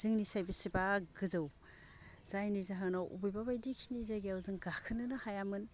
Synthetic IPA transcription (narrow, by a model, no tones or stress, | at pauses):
z̥ɯŋnisajbisibaɡɯzɯw | z̥ajnizaɦanaʔṵbujbabajdikʰinizajɡiawzɯŋɡakʰɯnɯnɯhajamɯn